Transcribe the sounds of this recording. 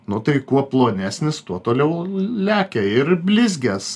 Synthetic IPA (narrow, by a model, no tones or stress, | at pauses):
nʊt̪ɐɪkuɔplˠoːnʲæːsʲnʲɪst̪uɔt̪oːlʲɛʊlʲæːkʲɛɪrbʲlʲɪzʲɡʲɛs